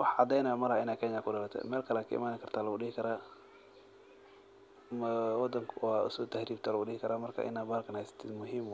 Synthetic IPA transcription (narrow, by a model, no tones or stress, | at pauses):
wɑħʕɑd̪ɛjnɛjɔmɐɾhɪnaːkʰɛːɲakʰʊdɐlɐt̪ʰɛ̰mɛːlkʰɐlɛkʰɐ̰ʔɪ̰maːnɪkʰɐrt̪ʰaːlɐʊɖɪhɪkʰɐɾaː | mɐwɑd̪ɐŋkʰʊwaːʊ̰sɔt̪ʰahɾiːb̚t̪ʰaːlɐʊɖɪhɪkʰɐɾaːmɐrkʰa̰ːʔɪ̰naːbaːɾkʰɐnhajsɐ̥t̪ʰɪd̪mʊɦiːm